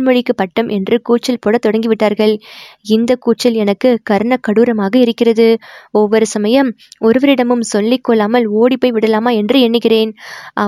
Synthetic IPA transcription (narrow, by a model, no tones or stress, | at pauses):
mɔɻɪkːɯpɐʈːɐmʔɛndrɯkuːʈ̚t͡ʃːɐlpɔɽɐt̪ːɔɽɐŋɡɪʋɪʈːaːɾɣɐɭɪnd̪ɐkuːʈ̚t͡ʃːɐlɛnɐkːɯkɐɾɯɳɐkːɐɽuːɾɐmaːɣɐɪɾɯkːɪrɐðɯɔʋːɔɾɯsɐmɐjɐm | ɔɾɯʋɐɾɪɽɐmɯmsɔlːɪkːɔlːaːmɐloːɽipːɐːɪʋɪɽɐlaːmaːɛndrɯɛɳːɯɣɪreːnʔɐ